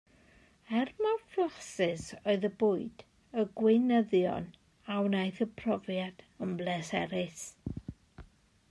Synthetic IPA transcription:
ɛrmafasɪsoɨðəbʊːɨd̥ | əɡwɪnəðjɔ̰n | awnajθəpʰrɔvjad̥ | əmblɛsɛɾɪs

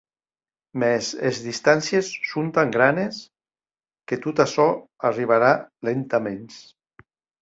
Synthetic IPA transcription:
mɛsezðist̪ansjesːont̪aŋɡɾanes | ket̪ut̪asɔariβ̞aɾalent̪amens

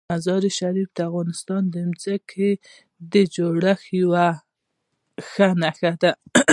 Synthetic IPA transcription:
azɑɾiʃaɾifd̪əafɣɑnɪst̪ɑnd̪əmzəkʰe | d̪əd͡ʒoɽaxiwa | xanaxad̪a

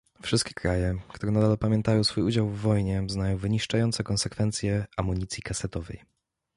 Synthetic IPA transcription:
fʂɘst̪̚kʲe̥kɾajɛkt̪uɾɛnad̪alɔpamʲjɛnt̪ajɔ̃w̃sfujud͡ʑawvːɔjɲɛznajɔ̃w̃vɘɲiʂt͡ʂajɔnt̪sɛkɔnsɛkfɛnt̪sʲjɛamuɲit̪sʲjikasɛt̪ɔvɛ̰j

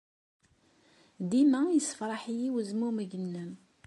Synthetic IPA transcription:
d̪imæjəsə̥fɾˤɑħijiwəzmuməʝənːəm

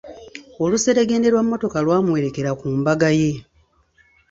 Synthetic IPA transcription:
o̞luseɾeɡe̞ːnde̞ɾwamːo̞to̞kalwaːmuwe̞ɾe̞ke̞ɾakuːmbaɡaje̞

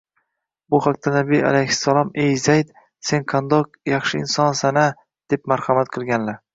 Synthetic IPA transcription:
bʊhaq̚t̪ʰanabia̰lajhɪ̥sːalˠɒmejzajd̪ | se̞nqʰand̪ɒq̚ | jɑχʃɪɪnsɒnsana | d̪̥e̞p̚maɾhamat̪̚qʰɨlˠɡʲanla

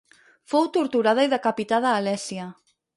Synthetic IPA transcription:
fowt̪oɾt̪uɾað̞ɐiðakapit̪aðaːlɛsjɐ

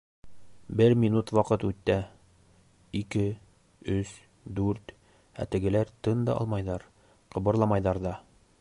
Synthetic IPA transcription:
bɘɾmʲinut̪wɑqɤt̪ʉt̪ːæ | ikɘ | ɵs | d̪ʉɾt̪ | æ̰t̪ɘ̆ɡɘ̆læɾt̪ɤnd̪ɑ̰ʔɒ̰lˠmɑjðɑɾ | qɤ̆bɤ̆ɾlˠɑmɑjðɑɾðɑ

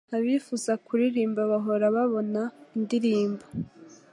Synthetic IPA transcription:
aβifuzakuɾiɾiːmbaβaɦo̞ɾaβaβo̞naindiɾiːmbḁ

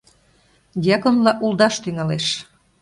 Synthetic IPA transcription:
jɑkonlɑʔulˠd̪ɑʃt̪yŋɑleʃ

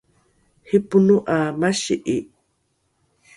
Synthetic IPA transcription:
hipunuʔamaʃḭʔi

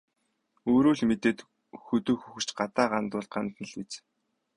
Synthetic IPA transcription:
oːɾuːɮmet̪eːt̪ | xɵt̪ɵ̆ːxuxɘ̥̆t͡ɕɢat̪aːɢant̪ʊːɮt̪̚ɢant̪nə̆ɮit͡s

